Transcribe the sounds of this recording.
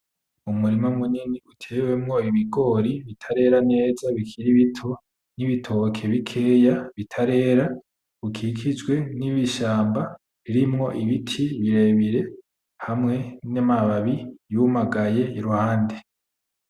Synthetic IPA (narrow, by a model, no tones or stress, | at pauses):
umuɾimamuniniutʰe̞ːwe̞mŋo̞iβiɡo̞ɾiβitʰaɾe̞ɾane̞ːzaβikʰiɾiβitʰo̞ | niβitʰo̞kʰe̞βikʰe̞ːjaβitʰaɾe̞ːɾa | ukʰikʰid͡ʒwe̞niβiʃaːmba | βiɾimŋo̞ʔiβitʰiβiɾe̞βiɾe̞ | hamŋe̞namaβaβijumaɡaje̞iɾuhaːnde̞